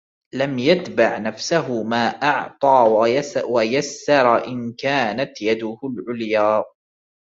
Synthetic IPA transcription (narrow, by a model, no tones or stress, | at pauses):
lamjat̪baʕnafsaɦʊmaːʔɑʕt̪ˤɑːwajasːɑɾˤʔɪnkaːnat̪jad̪ʊhʊlʕʊljaː